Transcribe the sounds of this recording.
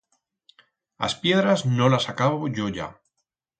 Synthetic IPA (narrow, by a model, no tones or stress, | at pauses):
a̰spje̞ðɾazno̞lasakaβo̞ʝo̞ʝa̰